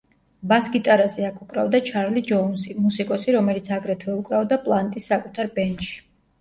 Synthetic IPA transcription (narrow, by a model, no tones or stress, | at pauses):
basɡit̪ʼaɾazɛakʰukʼɾavd̪at͡ʃʰaɾlid͡ʒɔnsimusikʼɔsiɾɔmɛlit̪sʰaɡɾɛt̪ʰwɛukʼɾavd̪apʼlˠant̪ʼisːakʼut̪ʰaɾbɛnt̪ʃi̥